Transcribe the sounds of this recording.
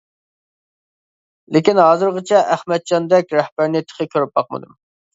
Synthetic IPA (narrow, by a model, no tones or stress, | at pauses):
lekʲinɦɑːzɨɾʁɨt͡ʃʰɛʔæhmɛt̪̚d͡ʒɑnd̪ɛk̚ʲɾɛhbæɾnɪt̪ʰə̥qʰəkʲʰøɾyp̚bɑq̚mɨ̰d̪ṵm